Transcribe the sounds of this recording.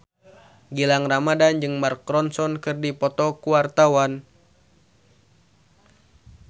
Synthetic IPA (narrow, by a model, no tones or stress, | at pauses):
ɡilaŋramadand͡ʒɨŋmarkɾɔnsɔnkɨrdipɔt̪ɔkuwart̪awan